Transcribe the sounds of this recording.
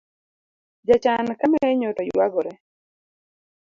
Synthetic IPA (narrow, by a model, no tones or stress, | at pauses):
d͡ʒat͡ʃankamɛɛɲɔtɔjwaɡɔɾɛ